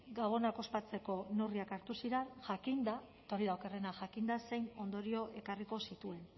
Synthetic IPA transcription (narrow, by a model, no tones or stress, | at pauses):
ɡaβ̞o̞nako̞spat͡se̞ko̞noriakaɾt̪usiɾanʝakind̪aet̪oɾiðaokerenaʝakind̪ase̞jno̞nd̪o̞ɾio̞ʔe̞kariko̞sit̪ue̞n